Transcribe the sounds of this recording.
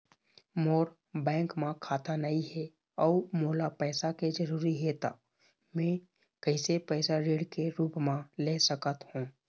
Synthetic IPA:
moːɾ | bɛ̃ːŋkmãkʰaːt̪anəiɦɛ | ɔːmoːlapɛːsaked͡ʒəɾuːɾiɦet̪a̰ | mɛ̃ | kəɪsepɛːsaɾeːɽkeɾuːpmãlesəkət̪hũː

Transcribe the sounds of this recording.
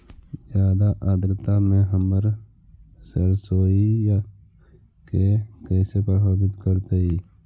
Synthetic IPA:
zjaːd̪aʔaːd̪ɾt̪amẽɦəməɾ | səɾsoːija | kekɛːsepɾəboːbɪt̪kəɾt̪eiː

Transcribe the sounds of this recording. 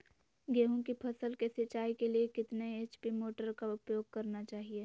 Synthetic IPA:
ɡeːɦũkipʰɐsəlkesɪt͡ʃaːikeliekɪt̪neet͡ʃpimoːʈəɾkaʊpjoːɡ̚kɐɾnat͡ʃaːɦieː

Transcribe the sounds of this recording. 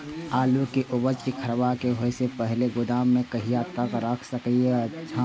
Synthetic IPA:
aːlukiʔʊbəd͡ʒkikʰɐɾʋakeɦoesepɛɦleɡʊd̪aːmːẽkɐɦiaːt̪ːakaɾəkʰsəket͡ʃʰã

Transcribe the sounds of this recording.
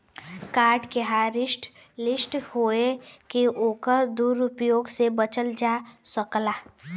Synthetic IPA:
kaːɾʈkeɦaɾɪʃʈ | lɪsʈhoːekeʔoːkəɾd̪uːɾʊpjoːɡsebət͡ʃəld͡ʒaːsəklaː

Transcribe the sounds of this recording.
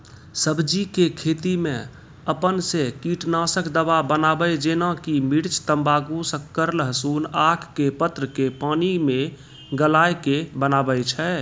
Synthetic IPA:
səbd͡ʒikekʰet̪imẽ | əpənsekiʈnasəkd̪əbabənabəjd͡ʒenakimiɾt͡ʃt̪əmbaɡusə̃kːəɾləɦəsunakʰːepət̪ɾəkepanime | ɡəlajkebənabəjt͡ʃʰɛ

